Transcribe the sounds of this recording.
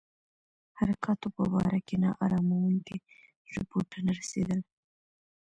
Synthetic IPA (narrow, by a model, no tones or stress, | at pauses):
haɾakʰɑt̪opəbɑ̰ɾakenɑ̰ʔɑ̰ɾɑmawəŋke | ɾɪpoʈanaɾasḛd̪əl